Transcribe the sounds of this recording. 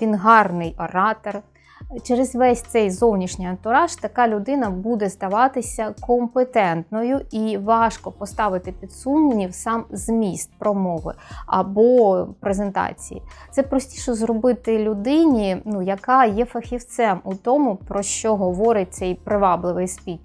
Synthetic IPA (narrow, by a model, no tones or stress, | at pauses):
tʲinɦɑrnɪjɔɾɑt̪ɔr | t͡ʃɛɾezʋɛsʲt̪sɛjzɔwnʲiʃnʲɪjɐnt̪ʊɾɑʃt̪ɐkɑlʲʊd̪ɪnɐbud̪ɛzd̪ɐʋɑt̪ɪsʲɐkɔmpet̪ɛnt̪nɔjʊiʋɑʃkɔpɔst̪ɑʋɪt̪ɪpʲid̪sumnʲiwsɑmz̥mʲist̪̚pɾɔmɔʋɪ̰ɐ̰bɔpɾezent̪ɑ̰t͡sʲḭjḭt̪sɛpɾɔsʲtʲiʃɔzɾɔbɪt̪ɪlʲʊd̪ɪnʲinujɐkɑjɛfɐxʲiwt̪sɛmut̪ɔmʊpɾɔʃt͡ʃɔɦɔʋɔɾɪt̚ʲt̪sɛjpɾɪʋɑblˠɪʋɪjspʲit̪ʲ